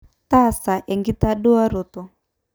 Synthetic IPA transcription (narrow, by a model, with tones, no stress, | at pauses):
ta˦˨sa˨ʔɛ˨ŋɡi˦ta˦ɗu˦a˦ɾu˨tɔ˨